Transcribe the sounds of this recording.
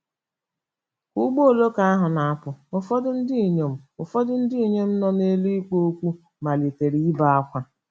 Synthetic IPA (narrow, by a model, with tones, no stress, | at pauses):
ku˦ɡ͡bo˦o˨lo˦ka˦a˦ɦʊ˨na˨a˦pʊ˨ʊ˨fɔ˦dʊ˦n̩˦di˦˨ɲo˨m̩˦ʊ˨fɔ˦dʊ˦n̩˦dɪ˦i˨ɲe˦m̩˦nɔ˦ne˦li˦i˦k͡po˦o˦kʷu˦ | ma˨li˨te˨ɾi˨i˦ba˦a˦kʷa˦